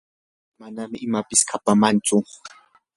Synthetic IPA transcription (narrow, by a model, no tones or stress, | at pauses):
manamɪʔɪmapɪskʰapamant͡ʃʊ